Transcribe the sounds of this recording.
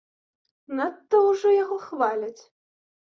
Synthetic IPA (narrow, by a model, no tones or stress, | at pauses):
nat̪ːɔwʐɔjaɣɔxvalʲɐt͡sʲ